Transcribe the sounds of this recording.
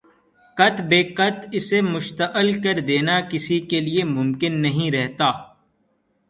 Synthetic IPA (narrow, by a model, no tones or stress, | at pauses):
kɐt̪beːkɐt̪ɪsemʊʃt̪əʔɪlkɐɾd̪eːnakɪsikeliemʊmkɪnːɐɦĩɾɛɦt̪aː